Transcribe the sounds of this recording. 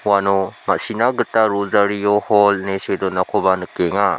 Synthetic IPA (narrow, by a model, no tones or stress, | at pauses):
wanomasinaɡɯtaɾuzaɾijɔhɔlnesedɔnakʰɔbanɯkeŋa